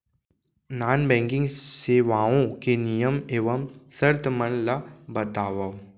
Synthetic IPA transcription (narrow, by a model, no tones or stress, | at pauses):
naːnbɛ̃ːŋkɪ̃ŋɡseːʋaːõkenijəmeːʋəmsəɾt̪mənlabɐt̪aːʋa